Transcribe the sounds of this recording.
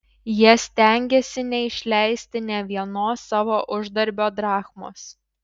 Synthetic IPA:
jiɛsʲt̪ʲɛˑŋʲɡʲesʲɪnʲɛɪʃʲlʲæˑɪsʲt̪ʲɪnʲɛʋʲiɛnoːsːɑːʋoːʔʊʒd̪ɐɾʲbʲoːd̪ɾɑːxmo̰ːs

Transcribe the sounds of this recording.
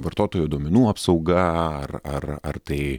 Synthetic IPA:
ʋɐɾt̪oːt̪oːjoːd̪uɔmʲɛnuːɐpsɐɒʊɡɐɐrɐrɐ̰rt̪ɐɪ

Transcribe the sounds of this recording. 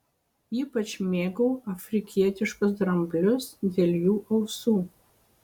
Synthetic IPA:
iːpɐt͡ʃʲmʲeːɡɐʊʔɐfʲɾʲɪkʲiɛt̪ʲɪʃkʊs̬d̪ɾɐmʲbʲlʲʊsd̪ʲeːlʲjuːʔɐʊsuː

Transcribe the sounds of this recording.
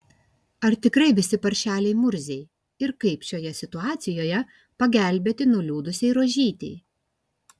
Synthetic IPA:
ɐɾt̪ʲɪkɾɐɪʋʲɪsʲɪpɐɾʲʃʲæːlʲɛɪmʊɾʲzʲɛɪ | ɪɾkɐɪpʃʲoːjɛsʲɪt̪ʊɑːt̪sʲɪjoːjɛ | pɐɡʲæˑlʲbʲeːt̪ʲɪnʊlʲuːd̪ʊsʲɛɪɾoːʒʲiːt̪ʲɛɪ

